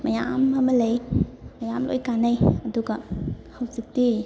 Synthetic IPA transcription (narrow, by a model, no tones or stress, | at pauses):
mɐja̰mamɐlejmɐjamlo̰jkanajɐduɡahawzik̚di